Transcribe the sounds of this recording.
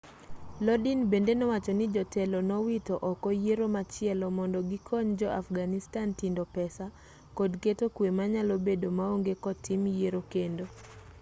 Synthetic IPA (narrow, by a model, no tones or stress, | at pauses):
lɔdinbendenɔwat͡ʃɔnɪd͡ʒɔtɛlɔnɔwitɔʔɔkɔjeɾomat͡ʃɪɛlɔmɔndɔɡikʰɔɲd͡ʒɔʔafɡanistantindɔpɛsa | kodketokwemaɲalobedomaoŋɡekɔtimjeɾokendo